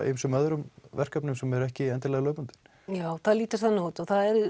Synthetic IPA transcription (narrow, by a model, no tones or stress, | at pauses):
ʔmsɛmœðɾʏmvɛr̥kapnʏmsɛmɛɾɛhcɪɛnt̪ɪlɛɣlœːpant̪ɪn | jaːwθaðliːt̪aɾ̥θaðnoːwt̪ɔθaðɛɾ